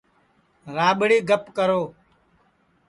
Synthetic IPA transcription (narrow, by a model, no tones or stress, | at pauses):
ɾaːɓɽiːɡʱəpkəɾoː